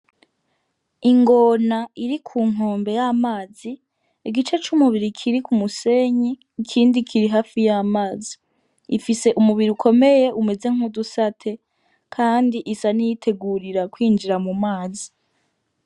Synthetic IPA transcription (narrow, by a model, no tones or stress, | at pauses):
iŋɡo̞naiɾikʰuːŋ̥ɦoːmbe̞jamaːzi | iɡit͡ʃe̞t͡ʃumuβiɾikʰiɾikumuse̞ɲi | kʰiːndikʰiɾiɦaːfijamaːzi | ifise̞ʔumuβiɾiukʰo̞me̞je̞ʔume̞ze̞ŋ̥hudusatʰe̞ | kʰaːndiʔisanijitʰe̞ɡuɾiɾakwiːnd͡ʒiɾamumaːzi